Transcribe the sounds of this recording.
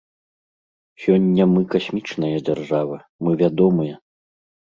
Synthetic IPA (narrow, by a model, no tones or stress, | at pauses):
sʲɔnʲːɐmɨkasʲmʲit͡ʂnɐjɐd͡zʲarʐavɨ | mɨvʲad̪ɔmɨjɐ